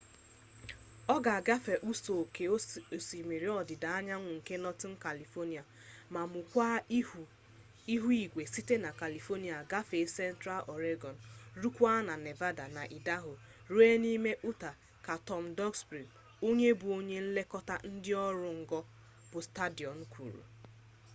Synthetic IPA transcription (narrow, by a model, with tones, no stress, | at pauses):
ɔ˦ɡa˨a˨ɡa˦fe˨ʔu˦so˨ke˨˦o˨si˨me˨ɾi˦ɔ˦dɪ˨da˨a˦ɲa˦ŋʷʊ˨ŋ̩˨ke˦nɔ˦tɪ˦n̩˦ka˨li˨fɔ˦ni˨a˨ | ma˨mʊ˨kʷa˦˨ | i˦ɦu˦i˨ɡʷe˨si˦te˦na˨ka˨li˨fo˦ni˦˨a˨ɡa˦fe˨˦sɛ˦n̩˦tɾa˦lʔɔ˨ɾe˦ɡɔ˨n̩˨ɾu˦kʷa˦na˨ne˨va˦da˨na˨ʔi˨da˦ɦʊ˨ | ɾu˦e˦ni˦me˦ʔu˦ta˨ | ka˨tɔ˦m̩˨dɔ˦ɡsbɾi˨m | o˦ɲe˦bʊ˨o˦ɲe˦n̩˦le˦kɔ˦ta˦n̩˦dɪ˦ɔ˦ɾʊ˨ŋ̩˨ɡɔ˦ | b̥ʊ˨sta˦di˨ɔ˨n̩˦kʷṵ˨ɾṵ˨